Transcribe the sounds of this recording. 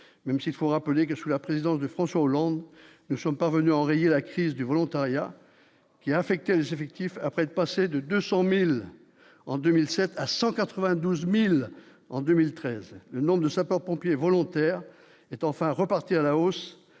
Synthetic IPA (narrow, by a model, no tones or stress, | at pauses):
mɛmsiilfoʁapəlek̬əsulapχezid̪ɑ̃sd̪əfχɑ̃swaolɑ̃d̪ | nusɔmpaʁvənyaɑ̃ʁejelakχizd̪yvɔlɔ̃t̪aʁja | kʲiaːfɛk̚t̪ɛlezefɛk̚t̪ifapχɛt̪pased̪əd̪øsɑ̃mil | ɑ̃d̪ømilsɛt̪ʰasɑ̃kat̪χəvɛ̃d̪uzmil | ɑ̃d̪ømilt̪χɛzlənɔ̃bʁd̪əsapœʁpɔ̃pjevɔlɔ̃t̪ɛʁ | ɛt̪ɑ̃fɛ̃ʁəpaʁt̪ialaos